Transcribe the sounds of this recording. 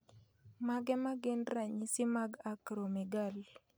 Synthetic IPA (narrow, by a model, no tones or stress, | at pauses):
maɡɛmaɡɪnɾaɲisɪmaɡakɾomiɡal